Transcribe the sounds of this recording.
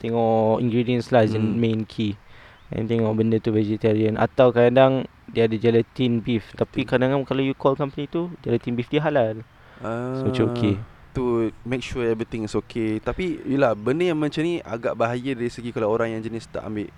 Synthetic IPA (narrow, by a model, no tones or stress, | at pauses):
t̪ɛŋɔʔḭŋɡɾidiənslazənmẽnkʰi | ɛ̰̃nt̪ɛŋɔʔbəndət̪uvɛd͡ʒɛt̪aɾiəna̰t̪awkadaŋ | diəːdəd͡ʒalət̪inbift̪apikadaŋakalajukɔlkampənĩt̪ud͡ʒalət̪inbifdiəɦalal | asmət͡ʃaoke | t̪umek̚ʃuɛvɾit̪ɪ̃ŋisokʰet̪apijəlahbəndəjaŋmãt͡ʃamnĩʔa̰ɡaʔbaɦajədaɾisəɡikalaoɾaŋjãŋd͡ʒənɪst̪a̰ʔa̰mbɪʔ